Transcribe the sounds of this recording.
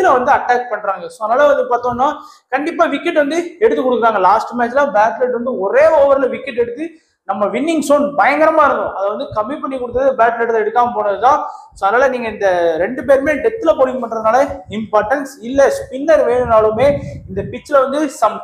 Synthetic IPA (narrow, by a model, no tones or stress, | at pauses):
lɐʋɐnd̪ɯɐʈːaːk̚pɐɳːɾaːŋɡɐsoːðɐnaːlɐʋɐnd̪ɯpaːɾt̪õːnːaː | kɐɳɖɪpːaːʋɪkːɪʈːʋɐnd̪ɯɛɽɯt̪ːɯkːɔɽɯkːɯɾaːŋɡɐlaːsʈɯmaːt͡ʃːɪlãːbaːt̪lɛʈʋɐnd̪ɯɔɾeːoːʋɐɾɪlɐʋɪkːɪʈːɛɽɯt̪ːɯ | nɐmːɐʋɪnːɪŋɡsoːnbɐjɐŋɡɐɾɐmaːɪɾɯnd̪õʔɐðɐʋɐnd̪ɯkɐmːipɐɳːikːɔɽɯt̪ːɐðɯbaːʈlɐʈlɐɛɽɯkːaːŋɡɐpoːɳɐðɯt̪ãːsoːɐðɐnaːlɐniːŋɡɐɪnd̪ɐɾɛɳɖɯpeːɾmeːɖɛt̪ːɪlɐpoːɽɪŋɡpɐɳːɾɐðɯnaːlɐɪmpaːɾʈɐnsɪlːɐspɪnːɐɾʋeːɳɯnaːɭɯmeːɪnd̪ɐpɪt͡ʃːɪlɐʋɐnd̪ɯsɐm